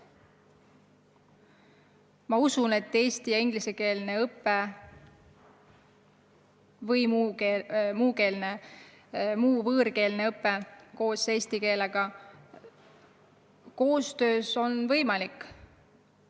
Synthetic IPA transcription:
mɑusune̞t̪ːe̞ːst̪ijɑiŋɡ̥liseke̞ːlne̞ɤpːe̞ | vɤjmuemuːke̞ːlne | muːvɤːɾke̞ːlne̞ɤpːe̞ko̞ːse̞ːsʲt̪ike̞ːle̞ɡ̥ɑ | ko̞ːst̪ø̞ːso̞nvɤjmɑlikː

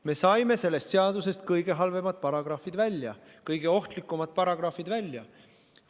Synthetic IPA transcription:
me̞sɑjme̞se̞lːe̞st̪seɑd̪use̞st̪̚kɤjɡe̞ɦɑlve̞mɑt̪̚pɑɾɑɡ̥rɑfid̪vælʲjɑ̰ | kɤjɡ̥e̞o̞ht̪likːˑumɑt̪̚ˑpɑɾɑɡ̥rɑfid̪vælʲːjɑ

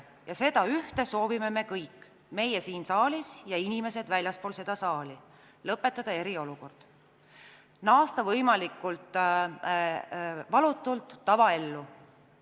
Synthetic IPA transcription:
jɑse̞d̪ɑyht̪e̞so̞ːvime̞me̞kɤjkː | me̞jesiːnsɑːlisjɑinime̞se̞d̪vælʲjɑspo̞ːlse̞d̪̥ɑsɑːli | lɤpːˑe̞t̪ːˑɑd̪̥ɑe̞ɾio̞luko̞rd̪̥ | nɑːst̪ɑvɤjmɑlikːˑult̪ːˑ | vɑlut̪ːˑult̪ːɑvɑe̞lːu

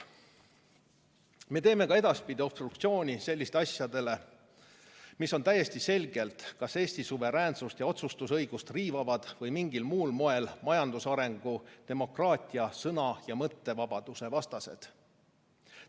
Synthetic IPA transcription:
me̞ːt̪e̞ːmekɑe̞d̪̥ɑspid̪ʲio̞b̥st̪ɾruk̚t̪sio̞ːnʲise̞lːist̪eɑsjɑd̪̥e̞le̞ | miso̞nt̪æje̞st̪ise̞lʲɡe̞lt̪kɑse̞ːsʲt̪isuve̞ɾæːnsust̪jɑo̞t̪sust̪usɤ̞jɡ̥ust̪riːvɑvɑd̪̥vɤjmiŋɡilmuːlmo̞e̞lmɑjɑnd̪usɑɾe̞ŋɡ̥ut̪e̞mo̞krɑːt̪ʲˑiɑsɤnɑjɑmɤt̪ːe̞vɑb̥ɑd̪̥use̞vɑst̪ɑse̞̰d̪̥

